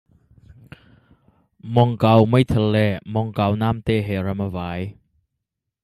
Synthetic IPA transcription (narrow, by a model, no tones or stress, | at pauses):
mɔŋkawməjt̪ʰəlɛmɔŋkawnamt̪eɦɛɾamavaj